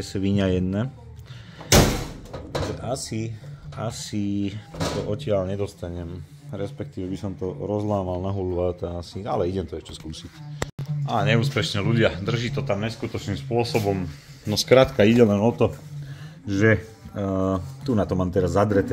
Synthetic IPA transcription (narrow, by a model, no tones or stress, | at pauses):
ɛsʋiɲajɛd̪nɛ | ʒɛʔasia̰sit̪ɔʔɔcɪalɲɛd̪ɔst̪aɲɛm | ɾɛspɛk̚t̪iːʋɛbisɔmt̪ɔɾɔzlaːmalnaɦulʋat̪aasia̰lɛiɟɛmt̪ɔɛʃcɛskuːsic | aɲɛuːspɛʃɲɛluɟɪad̪r̩ʒiːt̪ɔt̪amɲɛskut̪ɔt͡ʃnimspʊɔsɔbɔmnɔskɾat̪kaiɟɛlɛnɔt̪ɔ | ʒɛ | t̪unat̪ɔmaːmt̪ɛɾazːad̪ɾɛt̪ɛ